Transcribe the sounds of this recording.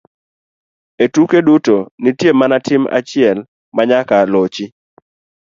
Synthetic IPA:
etukedutonitjemanatʰɪma̰t͡ʃɪɛl | maɲakalot͡ʃi

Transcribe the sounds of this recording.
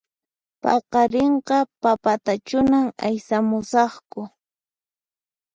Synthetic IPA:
pɑqɑɾeɴqɑpapat̪at͡ʃʊnama̰jsamʊsɑχkʊ

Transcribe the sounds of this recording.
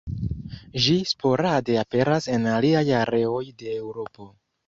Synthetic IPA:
ʒispʰo̞ɾade̞ape̞ɾase̞naliajaɾe̞o̞jde̞ːwɾo̞po̞

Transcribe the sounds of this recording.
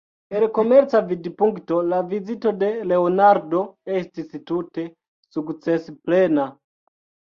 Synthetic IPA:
eɾkomeɾt͡savidipuŋktolavizitode̞leonaɾdoestistute | sukt͡sesplena

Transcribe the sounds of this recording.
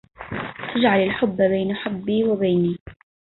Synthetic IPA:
ʔad͡ʒʕalɪlħʊbːbeːnaħabːiːwɪbeːniː

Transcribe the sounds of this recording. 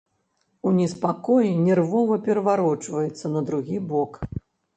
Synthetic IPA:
unʲɛspakɔjinʲɛrvɔvɐpʲɛɾɐvaɾɔt͡ʂvɐjɛt̪sːɐnɐd̪ɾuɣʲibɔk

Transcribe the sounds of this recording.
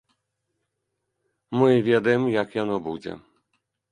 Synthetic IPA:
mɨvʲɛd̪ɐjɛmjakjanɔbud͡zʲɛ̰

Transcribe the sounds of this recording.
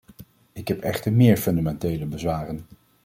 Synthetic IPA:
ɪkɦɛpɛχtəɹmɪːɹfɵndamɛntejləbəzʋaːrən

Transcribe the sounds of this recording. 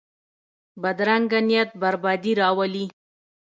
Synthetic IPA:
bad̪ɾaŋɡanijat̪̚baɾbɑd̪iɾɑwali

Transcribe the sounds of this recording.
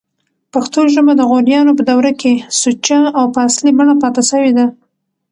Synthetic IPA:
paxt̪oʒəmad̪əɣoɾjɑnopəd̪awɾakesut͡ʃaawpəaslibaɳapɑt̪asəwed̪a

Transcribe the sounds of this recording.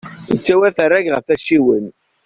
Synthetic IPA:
ət͡sːæwæθəɾːæɡʁəfæʃiwən

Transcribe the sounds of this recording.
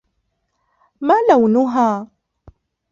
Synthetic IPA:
maːlawnʊɦaː

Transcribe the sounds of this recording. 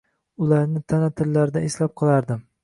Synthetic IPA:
ʊlaɾnɪt̪ʰanat̪ʰɪlːaɾɪd̪aeslap̚qʰɨlˠaɾd̪ɪm

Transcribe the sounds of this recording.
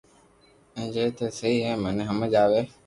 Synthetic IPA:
ɛ̃ːd͡ʒeːt̪ʰeːsəiːɦeːməneɦəməd͡ʒaːʋeː

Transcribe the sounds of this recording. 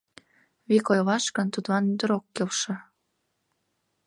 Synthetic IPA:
βikojlɑʃkə̆nt̪ud̪lɑnyd̪əɾokːelʃɤ̆

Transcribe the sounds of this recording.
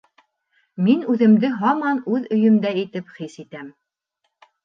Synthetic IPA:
minʉðɘ̆md̪ɘɦɑmɑnʉðɵ̆jɵ̆md̪æit̪ɘpχisit̪æm

